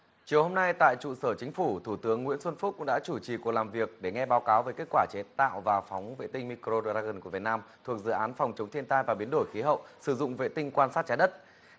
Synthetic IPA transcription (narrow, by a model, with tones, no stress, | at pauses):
t͡ɕi˨˩əwho˧mna˧jt̪a̰ː˧˨jt͡ɕṵ˧˨səː˧˩t͡ɕï˨˦ŋ̟fu˧˩t̪ʰu˧˩t̪ɨ˨˦əŋːwḭ˧˥ənswə˧nfʊ˦˥k͡p̚kʊ̰˧˥ŋ͡mɗa̰ː˧˥t͡ɕu˧˩t͡ɕi˨˩kwək̚laː˨˩mvi˨˩ək̚ɗe˧˩ŋɛ˧ɓaː˨˦wkaː˨˦wveː˨˦jke˦˥t̚kwaː˧˩t͡ɕe˨˦t̪a̰ː˧˨wvaː˨˩fɔ˨˦wŋ͡mvḛ˧˨t̪ï˧ŋ̟mi˧kɾo˧ɗzaː˧ɣɨ˨˩nku˧˩vt̚naː˧mt̪ʰu˨˩ək̚zɨ̰˧˨ʔaː˨˦nfɔ˨˩wŋ͡mt͡ɕə˨˦wŋ͡mt̪ʰi˧ənt̪aː˧jvaː˨˩ɓi˨˦ənɗo˧˩jxi˨˦ɦə̰˧˨wsɨ˧˩zʊ̰˧˨ŋ͡mvḛ˧˨t̪ï˧ŋ̟kwaː˧nsaː˦˥t̚t͡ɕaː˨˦ɗə˦˥t̚